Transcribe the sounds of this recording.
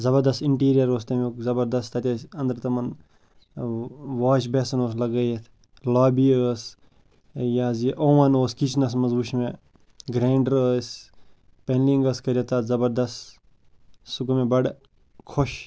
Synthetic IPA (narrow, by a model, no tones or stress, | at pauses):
zɐbɐɾd̪ɐst̪ɪɳʈiːɾijɐɾoːs̬t̪ɐmːkzɐbɐɾd̪ɐst̪ʰɐt̪ʲɐsɐnd̪ɐɾt̪ɐmɐn | ʋaːʃbeːsɐnoːs̬lɐɡɐːjet̪ʰ | laːbiəːs | jaːziʔoːʋɐnoːskit͡ʃnɐs̬mɐzbuʃmẽ | ɡɾeːɳɖɾəːs | penliŋɡəskɐɾʲjɐt̪at̪zɐbɐɾd̪ɐst̪ | suɡumẽbɐɽ | kʰoʃ